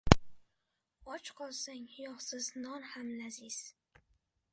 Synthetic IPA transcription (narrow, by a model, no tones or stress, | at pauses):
ɒt͡ʃqʰɒlˠsaŋjɒχsɪznɒnhamlazɪz̥